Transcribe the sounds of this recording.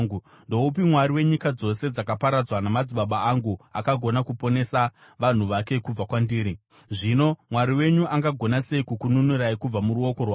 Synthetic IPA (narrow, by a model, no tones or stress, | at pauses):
u | ndo̞upimwaɾiwe̞ɲikad͡zo̞se̞d͡zakapaɾad͡zwanamad͡ziɓaɓaːŋɡua̰kaɡʱo̞nakupo̞ne̞sa | ʋan̤uʋake̞kub͡vakwandiːɾi | ʐino̞mwaɾiwe̞ɲuʔaŋɡaɡʱo̞nase̞ikukununuɾaikub͡vamuɾuo̞ko̞rwa